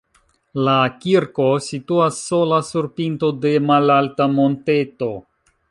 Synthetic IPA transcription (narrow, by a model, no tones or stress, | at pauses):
lakiɾko̞situasːo̞lasuɾpinto̞de̞malaltamo̞nte̞to̞